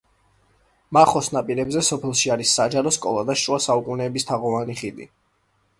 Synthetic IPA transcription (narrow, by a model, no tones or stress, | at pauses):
maχɔsnapʼiɾɛbzɛsɔpʰɛlˠʃiaɾisːad͡ʒaɾɔskʼɔ̰lˠad̪aʃwasaukʼunɛːbist̪ʰaʁɔvaniχid̪ḭ